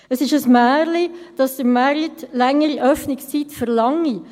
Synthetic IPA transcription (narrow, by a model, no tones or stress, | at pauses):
əsɪʃəsmæːɾlid̥ɑsd̥̪əmaɾitlɛŋːəɾiʔœfnɪkst͡sitfəɾlɑŋːi